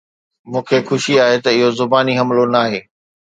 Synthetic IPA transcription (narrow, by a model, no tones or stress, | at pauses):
mũːkʰexʊʃiaːɦet̪ɐɪɦozʊbaːniɦɐmlonaːɦeː